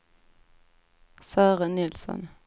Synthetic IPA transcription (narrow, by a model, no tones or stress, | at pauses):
sæːʁənɪlsɔ̰n